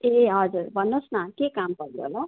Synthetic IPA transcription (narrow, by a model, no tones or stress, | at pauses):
eɦʌd͡zuɾbʱʌnːosnakekampʌɾo̰lo